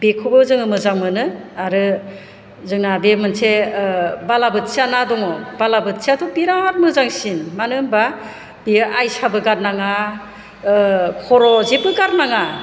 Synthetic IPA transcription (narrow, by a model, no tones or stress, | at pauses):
bekʰubɯzɯŋɯmɯzaŋmɯnɯaɾɯ | zɯŋabemɯnse | balabɯt̚sianadɔŋɔbalabɯt̚siatʰɔbiɾat̚mɯzaŋsinmanɯmba | bijɯʔajsabɯɡaɾnaŋa | kʰɔɾɔzebɯɡaɾnaŋa